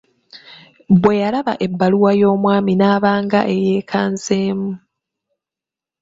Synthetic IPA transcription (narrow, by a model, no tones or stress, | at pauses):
bwe̞jalaβa̰ʔe̞bːaluwajo̞ːmwaːminaːβaːŋɡa̰ʔe̞je̞ːkʰaːnzeːmu